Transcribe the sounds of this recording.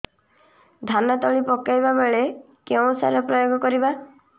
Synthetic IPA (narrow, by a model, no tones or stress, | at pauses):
d̪ʱanat̪ɔɭipɔkajbabeɭe | keũsa̰ɾɔpɾɔjoɡʱɔkɔɾiba